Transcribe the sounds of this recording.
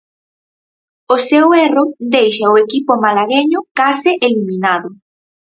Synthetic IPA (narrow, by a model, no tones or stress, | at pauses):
osewerod̪ejʃaoekipomalaɣeɲʊkasɪʔelimĩnaðʊ